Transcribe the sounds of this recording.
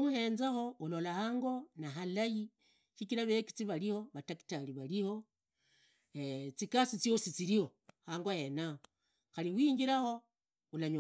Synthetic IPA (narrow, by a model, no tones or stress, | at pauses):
muhe̞ːnzaxo̞ulolahaːŋɡo̞naɦalaji | ʃikiɾaβeki̥t͡siβaliho̞βataki̥taliβaliho̞ | et͡sikasit͡siosit͡siɾihohaːŋɡojenao | xaliwiːŋɡiɾaxo̞ | ulaɲ